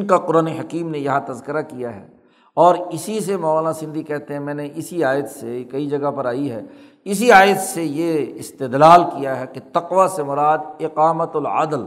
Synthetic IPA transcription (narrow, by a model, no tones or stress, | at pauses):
nkaqʊɾaːneɦɐkiːmnejɐɦãt̪ɐzkɪɾakijaɦɛ̰ː | ɔːɾɪsis̬emɐːaːlãsɪ̃nd̪ʱikɛɦt̪eɦɛ̃mɛ̃ːneʔɪsiaːjət̪sekɐid͡ʒɐɡapɐɾaːiɦɛ̰ː | ɪs̬iaːjət̪sejeɪst̪ɪd̪laːlkijaɦɛket̪ɐqʋasemʊɾaːd̪̚ɪqaːmət̪lɐ̰d̪l